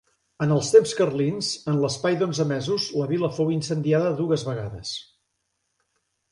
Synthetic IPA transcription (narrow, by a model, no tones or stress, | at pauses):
ənəlˠst̪emskərlinzənləspajd̪onzəmɛzuzləβiləfowinsənd̪iaðəðuɣəzβəɣ̞aðə̰s